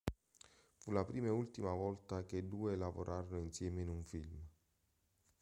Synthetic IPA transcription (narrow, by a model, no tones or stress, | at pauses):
fulapɾiːmault̪imavɔlt̪aked̪uːelavo̰ɾʔaːɾonoinsjɛːmeinuɱfilm